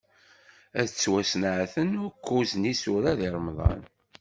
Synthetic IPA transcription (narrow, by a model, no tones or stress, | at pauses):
æðt͡sːwæsnʕθənʊɾkʰːuznisʊɾæðiɾˤəmðˤɑ̰n